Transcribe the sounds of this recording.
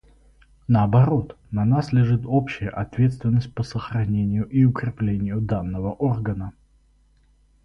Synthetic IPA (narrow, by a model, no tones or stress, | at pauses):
nəɐbɐɾo̞t̪ | nɐnaslʲɪʐɨt̪opɕɪjəʔɐt̪vʲe̞t̪st̪vʲɪnːəsʲt̚ʲpəsəxɾɐnʲenʲɪjʊʔiʊkɾʲɪplʲenʲɪjʊd̪anːəvəʔorɡənə